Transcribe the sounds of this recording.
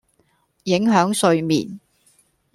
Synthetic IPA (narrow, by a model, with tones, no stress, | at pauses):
jɪ˨˥ŋɦœː˨˥ŋsɵ˨˧ɥmḭː˨˩n